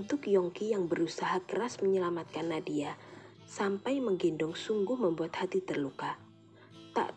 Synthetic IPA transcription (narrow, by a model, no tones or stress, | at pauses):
unt̪ʊkjɔŋkijaŋbəɾusaɦakəɾasməɲəlamat̪̚kanːadia | sampajməŋɡendʊŋsuŋɡʊhməmbuat̪hat̪it̪ərluka | t̪a̰ʔ